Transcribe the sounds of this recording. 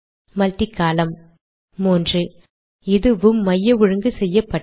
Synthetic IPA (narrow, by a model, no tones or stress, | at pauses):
mɐlt̪ɪkːaːlɐmː | oːndrɯ | ɪðɯʋɯmːɐjːɐʋʊɻɯŋɡɯsɛjːɐpːɐ